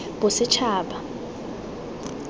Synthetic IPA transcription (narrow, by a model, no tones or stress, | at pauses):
b̥ʊsɪt͡ʃʰaːɓa